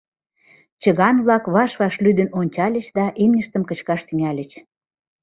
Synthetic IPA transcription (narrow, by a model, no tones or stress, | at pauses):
t͡ɕə̆ɣɑnβlɑkβɑʃβɑʃlyd̪ə̆nonʲt͡ɕɑlʲə̆t͡ɕd̪ɑʔimnʲə̆ʃt̪əmkə̆t͡ɕkɑʃt̪yŋælʲə̆t͡ɕ